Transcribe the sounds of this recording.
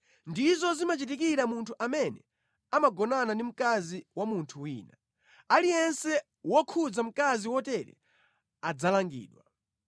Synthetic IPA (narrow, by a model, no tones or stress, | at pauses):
ndizɔzimat͡ʃit̬ikiɾamuntʰuʔamɛnɛ̰ | amaɡɔnanandim̩kaziwamuntʰuwiːna | alijɛnsɛ | wɔkʰud͡zam̩kaziwɔtɛɾɛ̰ | ad͡zalaŋɡḭːɗwa